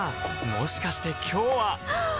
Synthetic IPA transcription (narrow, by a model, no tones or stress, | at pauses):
mo̞ɕi̥kaɕi̥t̪e̞kʲʰo̞ːβa